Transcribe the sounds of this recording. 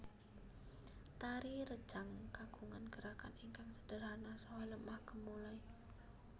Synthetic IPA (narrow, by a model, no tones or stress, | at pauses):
t̪aɾiɾə̥ʒ̥aŋkaɡ̥uŋanɡ̥əɾakaniŋkaŋsə̥d̥ə̤ɾanasɔwajləmahkəmulaj